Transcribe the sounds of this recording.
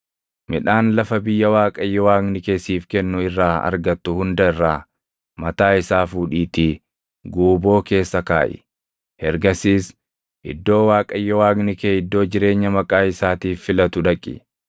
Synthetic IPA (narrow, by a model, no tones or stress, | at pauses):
mɪᶑaːnlɐfɐbɪjːɐwaːkʼɐjːɔwaːɡnɪkeːsiːfkɛnːʊɪrːaːɐ̰ɾɡɐt̪ːʊhʊnd̪ɐɪrːaː | mɐt̪aːɪsaːfuːᶑiːt̪iː | ɡuːbo̞ːke̞ːsːɐkaːʔɪ̰ | hɛɾɡɐsiːs | ʔɪ̰d̪ːo̞ːwaːkʼɐjːɔwaːɡnɪkeːɪd̪ːo̞ːd͡ʒɪɾe̞ːɲːɐmɐkʼaːɪsaːt̪iːfːɪlɐt̪ʊᶑɐkʼːɪ̰